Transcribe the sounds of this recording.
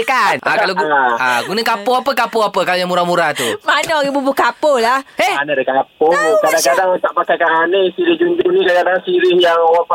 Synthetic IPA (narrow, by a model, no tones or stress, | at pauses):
kanʔa̰kaloɡa̰ɡunəkapoapəkapoapəkaloɲamuɾamuɾat̪umanɔɾibubukapolaheanadekapʊnkadaŋkadaŋunt̪aʔ̚pakajkaanəisiɾihd͡ʒuɲd͡ʒunikaadaŋsiɾɪhjaŋapa